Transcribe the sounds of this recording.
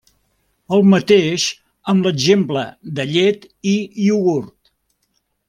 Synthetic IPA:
əlˠmət̪eʃ | əmləɡʒempləd̪əʎet̪ | iiuɣurt̪

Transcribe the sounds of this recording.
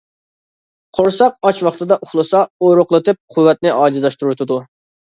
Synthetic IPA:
qʰoɾsɑq̚ɑt͡ʃwɑχt̪ʰɨd̪ɑʔuχlˠɨsɑoɾʊqlˠɨt̪ɨp̚qʰʊwːɛt̪̚nɪʔɑːd͡ʒizlɑʃt̪uɾut̪ʰɨd̪u

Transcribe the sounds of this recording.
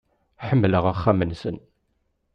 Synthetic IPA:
ħəmːləʁaχːamənsən

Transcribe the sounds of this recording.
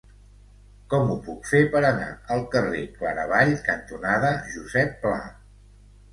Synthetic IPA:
kɔmupukfepəɾəna̰əlˠkərekla̰ɾəβ̞aʎkənt̪unaðəʒuzɛpːla

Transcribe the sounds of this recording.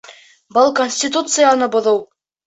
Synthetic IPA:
bɤlˠkonʲsʲtʲit̪ut̪sɨjanɤbŏðɤw

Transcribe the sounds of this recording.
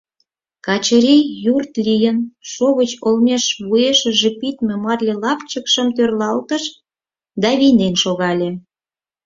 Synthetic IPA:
kɑt͡ɕəɾijurt̪lʲijənʃoβət͡ɕolmeʃβueʃə̆ʒepit̪mʲemɑrlʲelɑpt͡ɕəkʃəmt̪ørlɑlt̪əʃ | d̪ɑβinenʃoɣɑlʲe

